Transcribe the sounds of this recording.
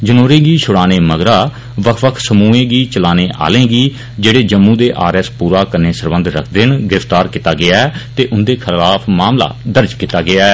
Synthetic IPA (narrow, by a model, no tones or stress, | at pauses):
d͡ʒənoːɾẽːɡiːʃʰʊɽaːneːməɡɾaː | ʋəkʰʋəkʰsəmuːẽːɡiːt͡ʃəlaːneːʔa̰ːlẽːɡiː | d͡ʒeːɽeːd͡ʒəmːũːd̪eːʔaːɾɛːspuːɾaːkəɾneːsəɾbə̃nd̪ɾə̰kʰd̪ɪnɡɪɾɪft̪aːɾkit̪aːɡɪaːɛːt̪eːʔʊnd̪eːkʰɪlaːpʰmaːmla̰ːd̪əɾd͡ʒkiːt̪aːɡɪaːɛː